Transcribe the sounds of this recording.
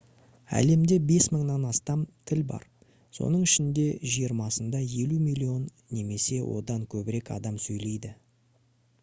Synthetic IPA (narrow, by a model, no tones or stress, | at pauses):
æ̰le̞md̪e̞be̞sməɴnɑnɑst̪ɑmt̪ʰɪlbɑ̰ɾ | so̞̰nəɴɪʃɪnd̪e̞ʒijəɾmɑsənd̪ɑje̞lumijlʲio̞nːe̞me̞se̞wʔo̞̰d̪ɑŋkʲʰɵbɪɾe̞kɑ̰d̪ɑmsɵjle̞jd̪ɪ